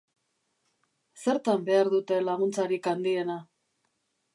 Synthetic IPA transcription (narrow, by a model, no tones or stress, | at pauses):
se̞ɾt̪ambe̞aɾðut̪e̞laɣunt͡saɾikand̪ie̞na